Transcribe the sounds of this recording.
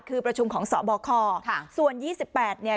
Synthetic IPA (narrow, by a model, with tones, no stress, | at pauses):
kʰɯː˧pɾa˧t͡ɕʰu˧mkʰɔː˩˦ŋsɔː˩˦bɔː˧kʰɔː˧su˨˩ənjiː˥˩si˨˩pːɛː˨˩t̪̚ni˧˩ə